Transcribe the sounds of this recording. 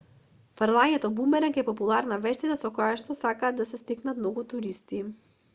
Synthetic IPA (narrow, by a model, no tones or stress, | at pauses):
faɾlˠaɲɛt̪ɔbumbɛɾɛŋkɛpɔpulˠaɾnavɛʃt̪it̪asɔkojaʃt̪ɔsakaːd̪ːasɛst̪iknat̪mnɔɡut̪uɾist̪i